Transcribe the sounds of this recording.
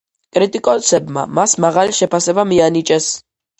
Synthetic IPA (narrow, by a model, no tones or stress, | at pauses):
kʼɾit̪ʼikʼɔsɛbma̰masmaʁaliʃɛpʰasɛbamianit͡ʃʼɛs